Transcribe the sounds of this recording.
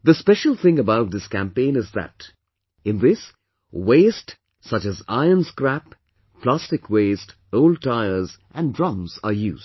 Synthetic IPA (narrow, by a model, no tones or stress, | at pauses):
ðəspɛʃəlˠθɪ̃ŋəbaʊt̚ðɪskæ̃mpẽɪ̃nɨzðɨ̰t | ɪ̃nðɪs | weɪst | sʌt͡ʃɨza̰ɪənskɾæp̚ | plæstɨkʰwest | oʊld̚taɪə˞zʔæ̃ndɹɑ̃mzəjuːzd̥